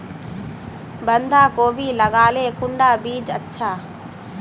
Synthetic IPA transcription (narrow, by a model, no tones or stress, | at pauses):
bɐnd̪ʱaːkoːbiːlɐɡaːleːkuɳɖaːbiːd͡ʒɐtːʃʰaː